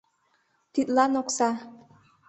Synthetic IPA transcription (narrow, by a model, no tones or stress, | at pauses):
t̪it̪lɑnoksɑ